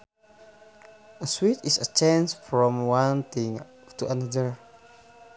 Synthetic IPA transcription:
əswitisət͡ʃãnsfɹɔ̃mwãnt̪ĩŋ | tuʔanadəɹ

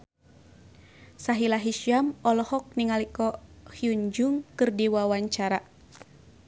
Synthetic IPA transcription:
saɦilaɦiʃjamɔlɔhɔk̚niŋalikɔhiuɲd͡ʒuŋkɨrdiwawaɲt͡ʃaɾa

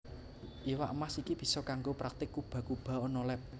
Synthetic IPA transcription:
ʔiwaʔəmasikib̥i̤sɔkaŋɡopɾʔak̚t̪ɪkːub̥a̤kub̥ä̤ɔnɔlɛp̚

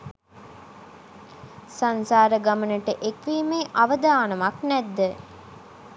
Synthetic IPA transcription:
sansaːɾəɡamənəʈəʔekʋiːmeːʔaʋəd̪aːnɐmaknɛd̪ːə

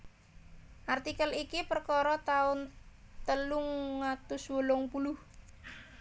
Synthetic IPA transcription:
ʔart̪ikəlikipərkɔɾɔt̪aʊnt̪əluŋːat̪ʊswolɔŋpulʊh

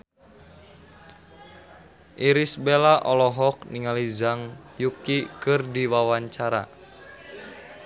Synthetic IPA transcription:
ʔiɾisbelaʔɔlɔɦɔk̚niŋalizaŋjukikɨrdiwawaɲt͡ʃaɾa̰

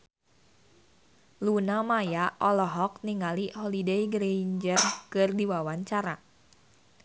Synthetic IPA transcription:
lunamajaʔɔlɔɦɔk̚niŋalihɔlidejɡɾeɲd͡ʒərkɨrdiwawaɲt͡ʃaɾa

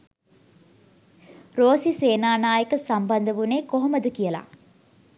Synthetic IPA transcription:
ɾoːsiseːnaːnaːjəkəsambɐnd̪əʋuneːkoɦoməd̪əkijəla̰

